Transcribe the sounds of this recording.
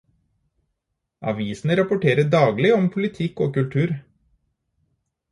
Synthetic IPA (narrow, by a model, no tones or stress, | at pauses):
ʔɑ̰ʋiːsn̩əɾɑpʊʈeːɾəɖɑːɡlɪɔmpʰʊlɪt̪ʰɪkoːkʉlt̪ʰʉːɾ